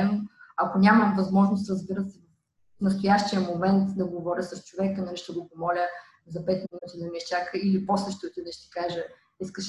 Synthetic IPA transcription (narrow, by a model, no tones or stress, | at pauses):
noɐkonʲamɐmvɐzmɔʒnʊst̪ɾɐzbiɾəsɛvɐf | nɐst̪ojaʃt̪ijəmomɛnt̪d̪ɐɡovɔɾʲəsɐst͡ʃovɛkənɐnɛʃt̪oɡopomɔlʲə | zɐpɛt̪minut̪id̪ɐmiɛʃt͡ʃakəiliposəʃt̪iot̪ud̪nɛʃt̪i̥kaʒə | iskəʃ